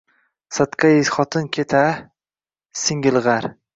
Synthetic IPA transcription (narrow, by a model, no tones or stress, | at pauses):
sat̪qʰaɪzχɒt̪ʰɪnkʲʰet̪ʰa | sɪŋɡʲɪlˠʁɑɾ